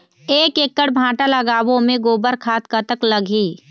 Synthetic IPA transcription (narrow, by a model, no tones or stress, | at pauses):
eːkeːkːəɽbʱãːʈaləɡaːwõmẽɡoːbəɾkʰaːt̪kət̪əkləɡʱiː